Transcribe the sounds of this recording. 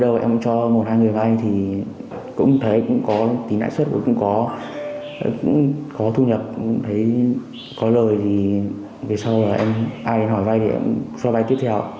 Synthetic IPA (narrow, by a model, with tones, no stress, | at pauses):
ɗə˧wʔɛ̰˧t͡ɕɔ˧mo˨˩t̚haː˧jŋɨ˨˩ə˩jva˧jt̪ʰi˨˩ | kʊ̰˧˥ŋ͡mt̪ʰə˨˦jkʊ̰˧˥ŋ͡mkɔ˨˦t̪i˨˦na̰ː˧˨jswə˦˥t̚ə̰˧˩kʊ̰˧˥ŋ͡mkɔ˨˦˧ | kʊ̰˧˥ŋ͡mkɔ˨˦t̪ʰu˧ɲə˨˩p̚ʊ̰˧˥ŋ͡mt̪ʰə˨˦j | kɔ˨˦ləː˨˩jzi˨˩ | ve˨˩sa˧wəː˨˩ʔɛ˧mʔaː˧jɗe˨˧nɦɔ˧˩jva˧jt̪ʰe˨˩ʔɛ̰˧msɔ˧va˧jt̪i˦˥əp̚t̪ʰw